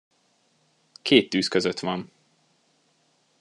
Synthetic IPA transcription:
kʰeːt̪ːyːskøzøt̪ʋɒn

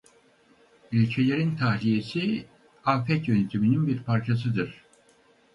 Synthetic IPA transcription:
ylʲcʰe̞lʲe̞ɾint̪ʰahlʲije̞si | afɛt̪jønet̪ʰimininbiɾpʰaɾt͡ʃʰas̬ɯd̪ɯɾ̥

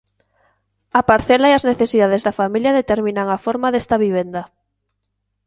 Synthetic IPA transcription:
apaɾθelaiazneθesiðað̞ezðafamiljaðet̪eɾmĩnaŋafoɾmaðest̪aβiβ̞end̪a

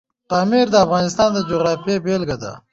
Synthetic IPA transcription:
t̪ɑːmiɾd̪əafɣɑnɪst̪ɑːnd̪əd͡ʒoɣɾɑːfiebelɡad̪a̰

